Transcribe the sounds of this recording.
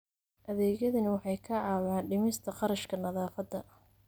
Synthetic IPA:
ʔɐðɛːɣɐðɐnɐwɑħɑjkʰɐʕɑːwaːnɖɪmɪst̪ʰɐqɑɾɐʃkʰɐnɐðaːfɐd̪ːɐ

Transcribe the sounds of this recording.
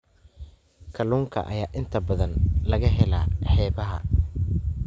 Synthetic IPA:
kʰɐluːŋkʰɐ̰ʔɐ̰jaːʔɪnt̪ʰɐbɐðɐnlɐɣɐɦɛlaːħɛːβɐɦɐ̰

